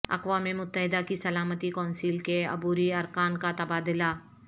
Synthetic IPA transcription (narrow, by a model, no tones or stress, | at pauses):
ɐ̰qwaːmemʊt̪ːəɦɪd̪akisɐlaːmət̪ikɔ̃ːnsiːlkeɐ̰buːɾiɐɾkaːnkat̪ɐbaːd̪ɪla